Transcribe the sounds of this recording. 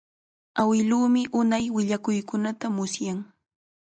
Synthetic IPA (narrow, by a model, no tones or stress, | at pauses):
awɪluːmɪʔʊnajwɪʎakʊjkʊnat̪amʊsjaŋ